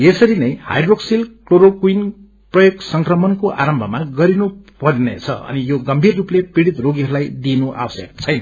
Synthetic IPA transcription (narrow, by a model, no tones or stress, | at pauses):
esʌɾinʌjha̰jdroksilkloɾokuin | prʌjoɡsʌŋkrʌmʌnkoʔa̰ɾʌmbʱʌmaɡʌɾinu | pʌɾnḛt͡sʰʌ̰ʌ̰nijoɡʌmbʱirːuplepiɽit̪roɡiɦʌɾulajd̪inuʔa̰wʌsjʌk̚t͡sʰʌjna